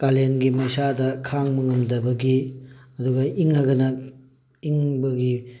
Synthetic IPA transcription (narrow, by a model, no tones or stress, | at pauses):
kalenɡimɐjsadɐkʰaŋmɯŋɐmdɐbɐɡiɐduɡɐʔiŋaɡɐnɐ | iŋbɐɡi